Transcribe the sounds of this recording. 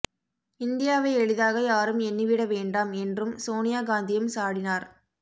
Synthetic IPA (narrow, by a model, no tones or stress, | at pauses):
ɪnd̪ɪjaːʋɐɪɛɻɯðaːɣɐjaːɾɯmɛnːiʋɪɽɐʋeːɳɖaːmɛndrɯmsoːnɪjaːɡaːnd̪ɪjɐmsaːɽɪnaːɾ